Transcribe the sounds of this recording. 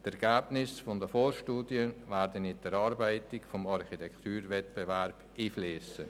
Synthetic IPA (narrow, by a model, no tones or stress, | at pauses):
t̪ɛɾɡ̥æːb̥nɪsfɔndəfoːʃtuːdjənvæːɾdənɪd̥̪əɾɑːɾbæɪtɪkfɔmɑɾχitʰɛkt̪yːɾvɛt̪̚b̥ɛvæɾb̥iːfliːsə